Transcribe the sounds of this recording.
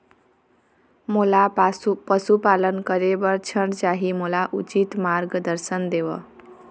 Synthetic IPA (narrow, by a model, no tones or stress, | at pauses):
molapʌsupalʌnkʌɾebʌɾt͡sʰʌnt͡saɦimolaʔut͡sit̪marɡd̪ʌɾsʌnd̪ewʌ̰